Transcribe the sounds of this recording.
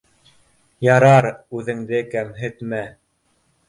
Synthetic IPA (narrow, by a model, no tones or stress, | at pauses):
jɑɾɑɾʉðɘ̆ŋd̪ɘkæmɦɘ̆t̪mæ